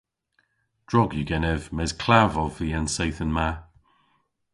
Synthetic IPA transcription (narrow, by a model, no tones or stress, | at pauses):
d̥ɹɔɡjʉɡɛnɛvmɛz̥kʰl̥avɔviːənsejθənma